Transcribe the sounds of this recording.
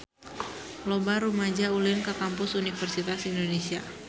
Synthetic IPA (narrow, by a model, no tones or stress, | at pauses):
lobaɾumad͡ʒaulɪnkəkampʊsunifərsit̪asindonesia